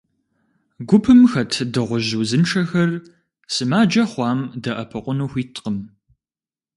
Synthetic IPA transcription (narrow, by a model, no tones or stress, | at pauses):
ɡʷʊpʰɨmxɐtʰdɨʁʷʊʑuwzɨnʈ͡ʂʰɐxɐr | sɨmaːd͡ʒɐχʷɑːmdɐʔɐpʰɨqʷʊnuːxʷiːtʼqəm